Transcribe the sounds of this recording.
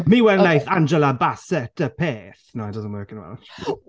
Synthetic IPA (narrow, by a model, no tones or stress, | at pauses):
miːwɛlnejθand͡ʒəlabasɛtʰəpʰeːθnoadʌzə̃nʔwɜ˞kɪ̃nəba̰ʊt